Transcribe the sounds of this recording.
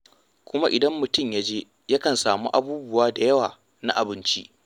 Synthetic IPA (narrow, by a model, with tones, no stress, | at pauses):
kʷʊ˦ma˦ʔɪ˨dɐ˦mːʊ˨tʊ˦˨mja˦d͡ʒeː˦ | ja˦kɐ˨nsaː˨muː˦ʔa˨buː˦bʊ˦waː˦da˨jɐ˦waː˨ | na˦ʔa˨bɪ˦nt͡ʃḭ˦ʔ